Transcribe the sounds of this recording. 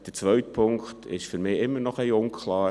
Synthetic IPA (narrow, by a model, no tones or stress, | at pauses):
d̥ət͡sʋœɥtpʰʊŋktʰɪ̰ʃfyɾmɪːɪmːənɔχɛɪʊŋkʰlɑː